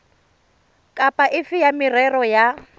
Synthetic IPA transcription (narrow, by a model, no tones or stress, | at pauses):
kʼapʼaʔɪfɪjamirɛrɔja